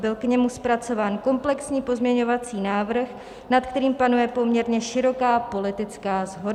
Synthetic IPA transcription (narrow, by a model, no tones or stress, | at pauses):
bɪlkɲɛmuspɾat͡so̞vaːnko̞mplɛksɲiːpo̞zmɲɛɲovat͡siːnaːvr̩x | nat̪kt̪ɛɾiːmpanujɛpo̞mɲɛɾɲɛʃɪɾo̞kaːpo̞lɪt̪ɪt͡skaːzɦo̞d